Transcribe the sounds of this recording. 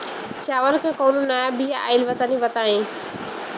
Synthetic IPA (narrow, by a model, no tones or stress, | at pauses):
t͡ʃaːʋəlkẽːkoːnũnaːjabijaa̰ːɪlʋət̪aniːʋət̪aːĩː